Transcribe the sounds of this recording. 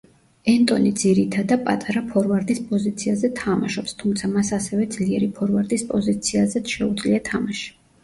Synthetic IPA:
ɛnt̪ʼɔ̰nid̪ziɾit̪ʰad̪apʼa̰t̪ʼaɾapʰɔɾvaɾd̪ispʼɔzit̪sʰiazɛt̪ʰama̰ʃɔpst̪ʰumt̪sʰamasasɛvɛd̪zliɛɾipʰɔɾvaɾd̪ispʼɔzit̪sʰiazɛt̪ʃɛud̪zliat̪ʰamaʃi̥

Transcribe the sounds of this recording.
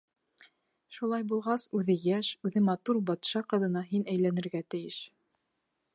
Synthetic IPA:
ʃulˠɑjbulˠʁɑsʉðɘjæʃʉðɘmɑt̪uɾbɑt̪ʃɑqɤ̆ðɤ̆nɑɦinæjlænɘ̆ɾɡæt̪ɘ̆jɘʃ

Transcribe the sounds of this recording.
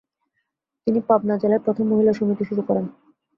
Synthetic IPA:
t̪inipabnad͡ʑelaɾpɾot̪ʰomːoɦilaʃomit̪iʃuɾukɔɾen

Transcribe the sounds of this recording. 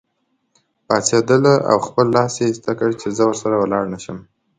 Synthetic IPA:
pɑt͡sed̪əlaa̰wxpəlːɑsjest̪akəɽt͡ʃezəwəɾsaɾawəlɑɽnaʃəm

